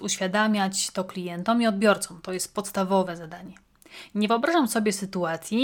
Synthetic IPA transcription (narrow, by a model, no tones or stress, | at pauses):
uɕfʲjad̪amʲjat͡ɕt̪ɔklʲijɛnt̪ɔmiɔd̪̚bʲjɔɾt̪sɔmt̪ɔjɛst̪̚pɔt̪st̪avɔvɛzad̪aɲɛ | ɲɛvɨɔbɾaʐamsɔbʲjɛsɘt̪uat̪sʲji